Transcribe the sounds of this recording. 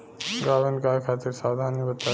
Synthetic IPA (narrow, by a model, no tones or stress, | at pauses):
ɡaːʋenkaːkʰaːt̪ɪɾsaːd̪ʱaːnikbɐt̪ːa